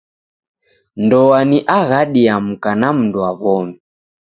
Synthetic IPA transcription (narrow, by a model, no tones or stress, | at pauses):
ndɔwaniʔaɣaɗiam̩kanam̩nduaβɔmi